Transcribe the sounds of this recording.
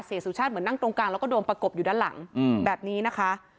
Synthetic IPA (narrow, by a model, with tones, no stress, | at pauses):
seː˨˩˦su˩˦t͡ɕʰa˥˩t̪̚mɯ˩˦nːa˥˩ŋt̪ɾo˧ŋkaː˧lwkɔː˥˩doː˧npɾa˧ko˨˩p̚juː˨˩daː˧˥˩la̰˩˦ŋbɛː˨˩p̚niː˦˥na˦˥kʰa˦˥ʔ